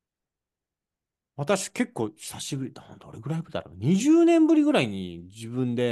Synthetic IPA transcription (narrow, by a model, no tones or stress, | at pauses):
βat̪aɕi̥ke̞kːo̞ːçi̥saɕibɯ̟ɾʲid̪ad̪o̞̰ɾeɡɯ̟ɾaibɯ̟ɾid̪a̰ɾo̰nɲ̟iʑɨːnẽ̞mbɯɾʲiɡɯ̟ɾaiɲ̟id͡ʑibɯ̟̃nd̪e̞